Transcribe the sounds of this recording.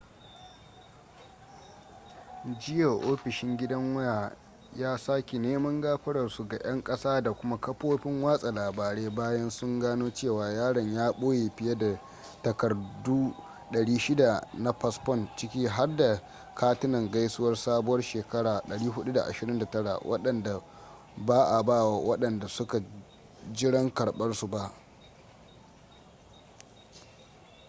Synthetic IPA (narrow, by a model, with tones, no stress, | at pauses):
d͡ʒɪ˦ja˨ʔoː˦ɸɪ˨ʃɪ˦ŋɡʲɪ˦dɐ˦ŋwʊ˦jaː˨ | jaː˦saː˦kʲi˨neː˦mɐ˦ŋɡaː˦ɸɐ˦ɽɐ˨rsu˦ɡa˨j̰ɐ˦ŋkʼɐ˦saː˦da˨kʷʊ˦ma˦kɐ˦ɸoː˦ɸɪ˦ŋwaː˦sʼa˨laː˨baː˨ɽeː˦baː˦jɐ˦nsʊ˦ŋɡaː˦noː˦t͡ʃeː˦˨waː˨jaː˦ɽɐ˨ɲjaː˦ɓoː˦jeː˨ɸɪ˦je˦da˨ | tɐ˨kɐ˨rdu˦ | ɗɐ˨ɽiː˦ʃɪ˦da˨na˦ɸɐ˦˨spɔ˦nt͡ʃɪ˦kʲiː˦ɦa˦rda˨ | kʰaː˦tɪ˦nɐ˨ŋɡa˦jsʊ˦wɐ˦rsaː˦bʊ˦wɐ˦rʃeː˨kɐ˦ɽaː˨ɗɐ˨ɽiː˦ɦʊ˦ɗu˦da˨ʔa̰˨ʃɪ˨ɾɪ˦nda˨tɐ˦ɽa̰˨wʔɐ̰˦ɗɐ˨nda˨ | baː˦ʔa˨baː˦˨wa˨wɐ˦ɗɐ˨nda˨sʊ˦ka˨ | d͡ʒɪ˦ɽɐ˦ŋkɐ˨ɽɓɐ˦rsu˨ba˦ʔ